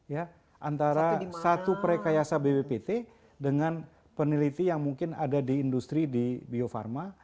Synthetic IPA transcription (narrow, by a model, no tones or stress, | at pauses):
ja | ʔant̪aɾasat̪upɾekajasabebepet̪e | dəŋan | pənilit̪ijaŋmuŋkɪna̰dadiːndust̪ɾidibiofa̰rma